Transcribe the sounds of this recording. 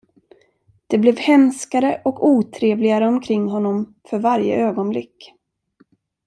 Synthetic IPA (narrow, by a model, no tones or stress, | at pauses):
d̪̥ɛblɛvhɛnskaɾəʔɔkuːt̪ʰɾeːvlɪɡaɾəɔmkʰɾɪŋːɦɔnːɔm | fœɾvaɾjə̰ʔøːɡɔnblɪkː